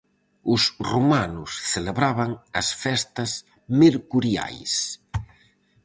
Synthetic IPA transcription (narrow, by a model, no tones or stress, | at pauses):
ʊsrumanʊsθeleβɾaβaŋɐsfɛst̪ɐs | meɾkuɾja̰js